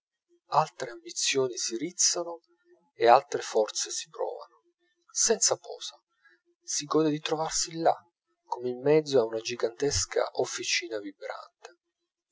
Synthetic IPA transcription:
alt̪ɾeambit̪sːjoːnisiɾit̪sːano | ealt̪ɾefɔrt̪sesi̥pɾɔ̰ːva̰no | sɛnt̪sapɔ̰ːsa | siɡɔːd̪ed̪it̪ɾovarsila̰ | kːomeimːɛd̪zːoaunad͡ʒiɡant̪ɛska̰ʔofːit͡ʃiːnavibɾa̰nt̪e̥

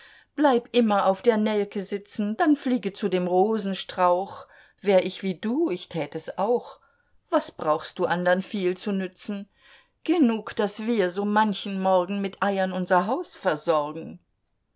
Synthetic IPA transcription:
b̥laɪpʔɪmɐʔaʊfd̥eːɐnɛlkʰəzɪt͡sn̩d̥anfliːɡət͡sudeːmʁoːzn̩ʃtʁ̥aʊx | v̥eːɐʔɪçv̥iːduːɪçtʰɛːtɛsaʊx | v̥asb̥ʁaʊxst̚d̥uːʔandɐʁənfiːlt͡sunʏt͡sn̩ | ɡ̥ənuːkd̥asv̥iːɐzoːmançn̩mɔɐɡŋ̩mɪtʔaɪɐnʊnzɐɦaʊsfɛɐzɔɐɡŋ̩

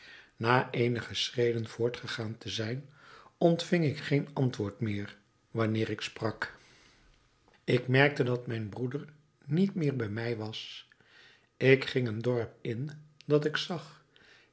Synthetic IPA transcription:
naːʔejnəχəsrejdənv̥ʊːɹtχəχaːntʰəzɛjnɔntfɪŋɪkχejnɑntʋʊːɹtmɪːɹ | ʋɑnɪːɹɪksprɑk | ɪkmɛɹk̚tədɑtmɛjnbrudəɹ | nitmɪːɹbɛjmɛjʋɑs | ɪkχɪŋəndɔɹpɪnd̥ɑtɪksɑχ

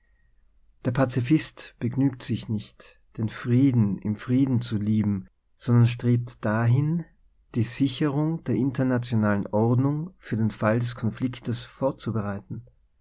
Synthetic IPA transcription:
d̥eːɐpʰat͡sifɪstb̥əɡnyːktz̥ɪçnɪçt | d̥eːnfʁ̥iːdn̩ɪmfʁ̥iːdn̩t͡suliːbm̩ | z̥ɔndɐnʃ̬tʁ̥eːp̚td̥aɦɪn | d̥iːzɪçəʁʊŋd̥eːɐʔɪntɐnat͡sjonaːlənʔɔʁɐdnʊŋfyːɐdeːnfaldɛskʰɔnflɪktəsfoːɐt͡subəʁ̞aɪtn̩

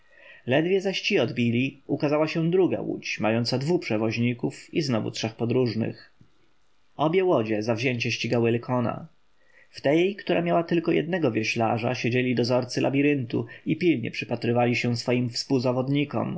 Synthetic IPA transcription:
lɛd̪vʲjɛzaɕt͡ɕiɔd̪bʲilʲiukazawaɕɛ̃d̪ɾuɡa̰wṵt͡ɕmajɔnt̪sad̪vupʂɛvɔʑɲikufiznɔvṵtʂɛxpɔd̪ɾuʐnɘ̰x | ɔbʲjɛwɔd͡ʑɛzavʑɛɲt͡ɕɛɕt͡ɕiɡawɘlɛkʰɔna̰ | ft̪ɛjkt̪uɾa̰mʲjawat̪ɘlkɔjɛ̰d̪̚nɛɡɔvʲjɛɕlaʐa̰ɕed͡ʑelʲid̪ɔzɔɾt̪sɘlʔabʲiɾɘnt̪ṵipʲilɲɛ̰pʂɘpat̪ɾɘvalʲiɕɛ̃sfɔjimfspuwzavɔd̪ɲikɔ̰m

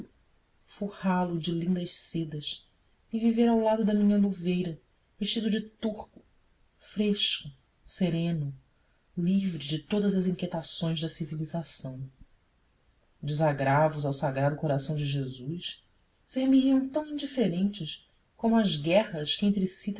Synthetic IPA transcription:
fuhalʊd͡ʒɪlĩnd̪ɐʃsed̪ɐs | ɪviveɾawlad̪ʊd̪ɐmĩɲɐluvejɾɐ | veʃt͡ʃid̪ʊd͡ʒɪt̪uhkʊ̥ | fɾeʃkʊ | seɾẽnʊ | livɾɪd͡ʒɪt̪od̪ɐzɐzĩket̪asõj̃zd̪ɐsivilizasɐ̃w̃ | d͡ʒɪzaɡɾavʊzawsaɡɾad̪ʊkoɾasɐ̃w̃d͡ʒɪʒezus | seɾmiɾiɐ̃w̃t̪ɐ̃w̃ĩnd͡ʒifeɾẽnt͡ʃɪʃ | kõmʊɐzɡɛhɐskɪẽnt̪ɾɪsit̪

